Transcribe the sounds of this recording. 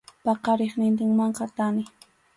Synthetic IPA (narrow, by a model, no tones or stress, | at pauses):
pɑqɑɾeχnɪnt̪̬ɪŋmɑɴqɑt̪anɪ